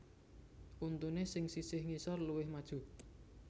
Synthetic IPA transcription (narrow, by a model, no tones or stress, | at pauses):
ʔunt̪unesɪŋsisɪhŋisɔrluwɪhmad̥ʒ̥ṳ